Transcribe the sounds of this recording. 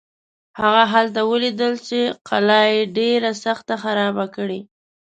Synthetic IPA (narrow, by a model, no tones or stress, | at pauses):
haɣaɦalt̪awəlid̪əlt͡ʃeqʰalɑjeɖeɾasaxt̪axaɾɑbakɽe